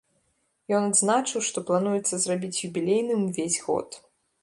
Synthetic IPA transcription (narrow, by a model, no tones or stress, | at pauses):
jɔnad̪znat͡ʂɨwʂt̪ɔplˠanujɛt̪sːɐzrabʲit͡sʲjubʲilʲejnɨmvʲezʲɣɔ̰t̪